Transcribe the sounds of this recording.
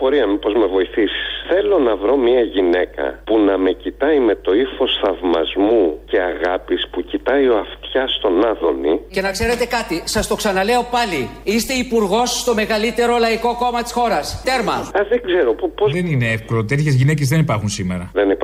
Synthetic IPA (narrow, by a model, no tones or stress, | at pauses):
bo̞ɾiɐmepo̞zme̞vo̞iθisi̥sθe̞lo̞nɐvɾo̞miɐʝine̞kɐ̰punɐme̞cit̪ɐime̞t̪o̞iθo̞sθɐvmɐ̰zmuce̞ɐɣɐpispucit̪ɐio̞ɐft̪çɐst̪o̞nɐðo̞̰nḭce̞nɐkse̞ɾe̞t̪e̞kɐt̪isɐst̪o̞ksɐnɐle̞o̞pɐliist̪e̞ipuɾɣo̞sːt̪o̞me̞ɣɐlit̪e̞ɾo̞lɐiko̞ko̞mɐt̪i̥sxo̞ɾɐst̪e̞ɾmɐɐzðeɡze̞ɾo̞ppozðenineefkolot̪et̪çezʝinec̬ezðe̞nipɐɾxunsime̞ɾɐðenip